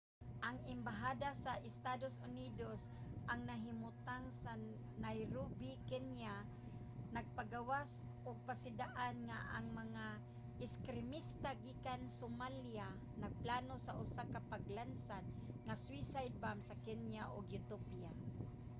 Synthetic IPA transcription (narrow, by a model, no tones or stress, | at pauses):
ʔaŋɪmbaɦaːd̪asaʔɪst̪ad̪osʊnid̪os | ʔaŋnaɦɪmʊt̪aŋsa | najɾubɪkɛnja | naɡ̚paɡawasʔʊɡ̚pasɪd̪aʔanŋaʔaŋmaŋa | ʔɪskɾɪmist̪aɡiːkansomalja | naɡ̚plaːnosaʔʊsakapaɡlansad̪̚ŋaswisajd̪̚bamsakɛnjaʔʊɡjʊt̪opija